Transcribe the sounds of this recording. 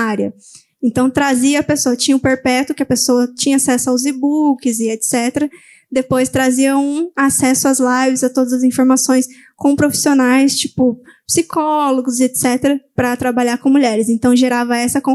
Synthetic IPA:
aɾjɐ | ẽnt̪ɐ̃w̃t̪ɾaziɐɐpesoɐt͡ʃĩɲɐʊpeɾpɛt̪ʊkɪɐpesoɐt͡ʃĩɲɐasɛsʊawzibukɪzɪet̪sɛt̪eɾɐ | d̪epojst̪ɾaziɐũasɛsʊazlajvɪzɐt̪od̪ɐzɐzĩfoɾmasõj̃s | kõpɾofi̥sionajst͡ʃi̥pʊpsikʰɔloɡʊzet̪sɛt̪eɾɐpɾɐt̪ɾabaʎaɾkõmuʎɛɾɪsẽnt̪ɐ̃w̃ʒeɾavɐɛsɐkõ

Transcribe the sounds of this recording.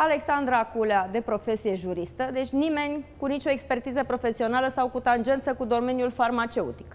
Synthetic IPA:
aleksand̪ɾakulead̪e̞pɾo̞fe̞sije̞ʒuɾist̪əd̪e̞t͡ʃʲnime̞nʲkunit͡ʃʲo̞ekspe̞rt̪izəpɾo̞fe̞sio̞naləsawkut̪and͡ʒe̞nt̪səkud̪o̞me̞njulfarmat͡ʃe̞ut̪i̥k

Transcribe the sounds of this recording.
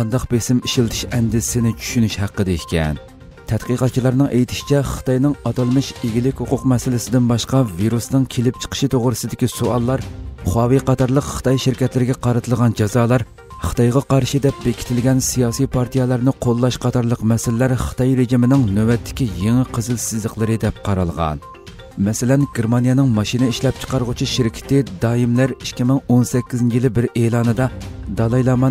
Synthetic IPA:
ɑnd̪ɑqbesɪmiʃilˠt̪ʰɨ̥ʃɛnd̪ɪsɪnɪt͡ʃʰy̥ʃynyʃhæqːəd̪ɪkʲʰɛ̰n | t̪ʰɛt̪qəqɑt̪̚t͡ʃʰilˠɑɾnɨŋʔejt̪ʰɪ̥ʃi̥t͡ʃʰɛχə̥t̪ɑjnɨŋɑt̪ɑlˠmɨʃeɡʲilɪkʲhuqʊqmɛsɪlɪsɪd̪ɪnbɑʃqɑviɾusnɨŋkʲʰelɪp̚t͡ʃʰə̥qʰə̥ʃɨt̪ʰoʁɾɨsɨd̪ɪkʲisoɑlˠːɑɾχɑːwiqɑt̪ʰɑɾlˠəqχə̥t̪ʰɑjʃiɾkʲɛt̪lɪɾɪɡʲɛqɑɾɨt̪ʰɨlˠʁɑnd͡ʒɑzɑːlˠɑɾ | χə̥t̪ʰɑjʁɑqɑɾʃɨd̪ɛp̚bekʲi̥t̪ʰɪlɡʲɛnsijɑːsijpʰɑɾt̪ʰijɛlˠɑɾnɨqʰolˠːɑʃqʰɑt̪ʰɑɾlˠəqmɛsɪlːæɾχə̥t̪ʰɑjɾeʒimɪnɪŋnøwɛt̪ʰːɪ̥kʲijeŋɪqʰəzɨlsɪzləqlˠɨɾɨd̪ɛp̚qʰɑɾɑ̰lˠʁɑ̰n | mɛsɪlɛnɡʲeɾmɑnijɛnɪŋmɑʃinɪiʃlɛp̚t͡ʃʰqɑɾʁʊt͡ʃʰiʃiɾkʲʰɪ̥t̪ɪd̪ɑːimlæɾiʃkʲʰːimɪŋonsɛkʲːizɪnt͡ʃʰijilˠɪbɪɾeːlˠɑːnɨd̪ɑd̪ɑlˠɑjlˠɑmɑ

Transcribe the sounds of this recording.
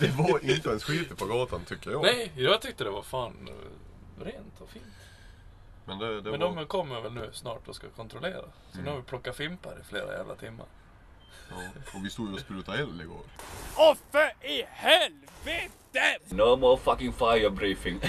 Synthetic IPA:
d̪̥ɛvaɾɪnt̪əɛnsɧiːt̪əpʰɔɡɑːt̪ant̪ʰʏkːəɾjɑnɛjjɑːɡt̪ʰʏk̚t̪əd̪ɛvafaːn | ɾeːnt̪ʰɔfiːnt̪ | mɛnd̪ɛd̪ɛɛnd̪ɔmkʰɔmːəvɛlnʉ̟ːsnɑːʈɔskakʰɔnt̪ɾɔleːɾa̰ | sɔnʉhavɪpʰlɔkːafɪmpaɾɪ̰flḛːɾa̰jæ̰ːvlʔa̰t̪ʰɪmːa̰ɾ | ɔvɪst̪uːd̪jɔspɾʉːt̪aɛlːɪɡo̰ːɾɔfəɪhɛlvet̪ənomɔfakɪ̃ŋfajəbɾiːfɪŋ

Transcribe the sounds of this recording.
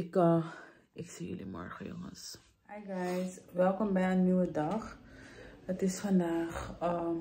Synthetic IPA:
ɪkə | ɛksijy̰limɔ̰rχəjo̰ŋə̰s | ajɡajsʋɛlˠkɔmbɛjənnːiwədɐχ | ətɪsfɐndaːχəm

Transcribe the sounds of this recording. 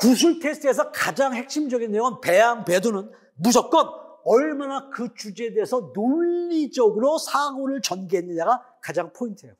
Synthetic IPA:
kus̬ʰuɭtʰe̞sʰtʰɯesʰʌkad͡ʑaŋɦe̞k̚ɕ͈imd͡ʑʌɡinːejoŋɯnpe̞jaŋpe̞donɯn | mud͡ʑʌp̚k͈ʌnʌɭmanakɯt͡ɕud͡ʑeedeesʰʌnoʎːid͡ʑʌɡɯɾosʰaɡoɾɯɭt͡ɕʌnɡiɦenːɯɲaɡa | kad͡ʑaŋpʰointʰe̞jo

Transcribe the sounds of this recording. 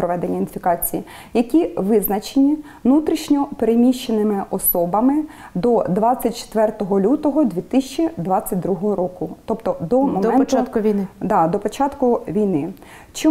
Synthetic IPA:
pɾɔʋɛd̪enʲːɐinfʲikɑt͡sʲiji | jɐkʲiʋɪznɐt͡ʃenʲiʋnut̪ɾʲiʃnʲɔpeɾemʲiʃt͡ʃenɪmɪʔɔsɔbɐmɪ | d̪ɔd̪ʋɑt͡sʲːɐt̚ʲt͡ʃe̥t̪ʋɛrt̪ɔɦɔlʲut̪ɔɦɔd̪ʲʋʲit̪ɪsʲt͡ʃid̪ʋɑt͡sʲːɐt̚ʲd̪ɾuɦɔɦɔɾɔkʊt̪ɔpt̪ɔd̪ɔmɔmɛntt͡ʃat̪kʊʋʲijnɪd̪ɑd̪ɔpɔt͡ʃɑt̪kʊʋʲijnɪ | t͡ʃi

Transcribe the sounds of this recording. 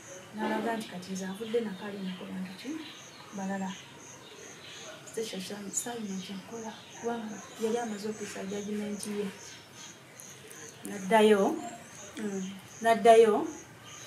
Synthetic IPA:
nalaɡaːnti̥katezaβudːenakalinakoβaːntut͡ʃi | balala | steʃaʃasaβinet͡ʃeŋkola | kuβaːŋɡaajaliamazokesaɟaɟimeːntije | nadajo | nadːajo

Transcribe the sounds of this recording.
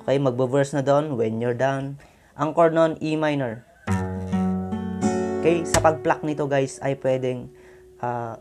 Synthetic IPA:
ʔokɛjmɐɡ̚bɐvɛɹsnɐd̪oʔnwɛnjɔɹd̪awn | ʔɐŋkoɹnonʔimajnɛɹ | kɛjsɐpɐɡ̚plak̚nɪt̪o̞ɡajsɐjpwɛːd̪ɛŋ | ʔa

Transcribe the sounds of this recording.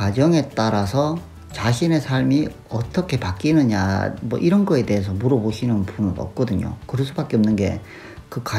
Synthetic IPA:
wad͡ʑʌŋe̞t͈aɾasʰʌ | t͡ɕaɕʰine̞sʰaɭmi | ʌt͈ʌkʰe̞pak͈inɯɲa̰mʌ̰ʔiɾʌnɡʌe̞de̞ɦes̬ʰʌmuɾʌboɕʰinɯnpunɯnʌ̰p̚k͈ʌdɯɲo̰kɯɾʌs̬͈ʰubak͈eʌmnɯnɡe̞̰ | kɯkwa

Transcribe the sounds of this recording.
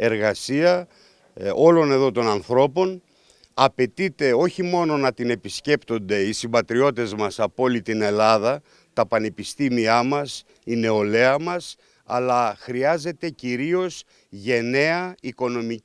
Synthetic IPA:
e̞ɾɣɐsiɐ | o̞lo̞ne̞ðo̞t̪o̞nɐnθɾo̞po̞n | ɐpe̞t̪it̪e̞o̞çimo̞no̞nɐt̪ine̞pisce̞pt̪o̞nd̪e̞isibɐt̪ɾio̞t̪e̞zmɐsɐpo̞lit̪ine̞lɐðɐ | t̪ɐpɐne̞pist̪imiɐmɐs | ine̞o̞le̞ɐmɐs | ɐ̰lɐxɾiɐze̞t̪e̞ciɾio̞s | ʝe̞ne̞ɐiko̞no̞mi

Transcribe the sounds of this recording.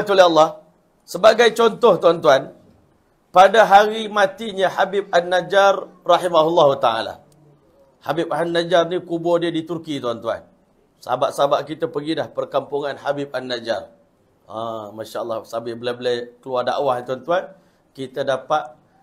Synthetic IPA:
t̪uleəlːɑh | səbaɡajt͡ʃɔnt̪ɔht̪uant̪uan | padaɦaɾimãt̪iɲəhabɪp̚anːad͡ʒarrɑħimaɦulːaɦut̪aa̰la̰ | habip̚anːad͡ʒarnikubɔdiədit̪urkit̪uant̪ua̰n | səabaʔsaabaʔkit̪əpəɡidahpərkampuŋanhabip̚anːad͡ʒa̰r | amaʃaəlːa̰hsabɪhbəlabəlajkəluarda̰ʔwahnit̪uant̪uan | kit̪ədapat̪̚

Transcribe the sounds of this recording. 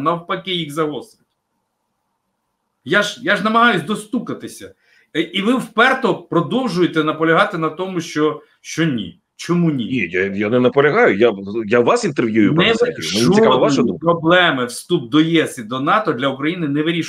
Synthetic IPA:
nɐwpɐkɪjiɣzɐɦɔst̪ɾʲɪtʲ | jaʒjaʒnɐmɐɦɑjʊsʲd̪ɔst̪ukɐt̪ɪsʲɐ | iʋɪwpɛrt̪ɔpɾɔd̪ɔwʒʊjet̪ɛnɐpɔlʲɐɦɑt̪ɪnɐt̪ɔmʊʃt͡ʃɔ | ʃt͡ʃɔnʲḭ | t͡ʃɔmunʲinʲijajanɛnɐpɔlʲɐɦɑjʊjajaʋasint̪erʋjujʊnɛʋmɛuɪkɔʋaʃʊd̪ṵpɾɔblˠɛmɪwst̪up̚d̪ɔjɛsid̪ɔnɑt̪ɔd̪lʲɐukɾɐjinɪnɛʋɪɾʲiʃ

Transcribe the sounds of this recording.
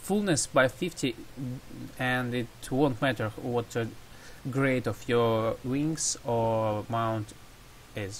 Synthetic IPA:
fulˠnɨsbaɪfɪftʰi | ɨ̃ndɪtʰwõntmætə˞wɔt̪ə | ɡɹeɪtɔfjɔ˞wɪ̃ŋsɔmãʊ̃nt | ɪz

